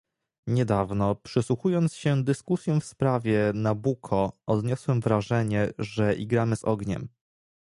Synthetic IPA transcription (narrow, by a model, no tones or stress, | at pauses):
ɲɛd̪avnɔpʂɘswuxujɔnt̪sɕɛd̪ɘskusʲjɔ̃w̃fspɾavʲjɛnabukʰɔɔd̪ɲɔswɛmvɾaʐɛɲɛʐɛʔḭɡɾamɘzɔɡɲɛ̰m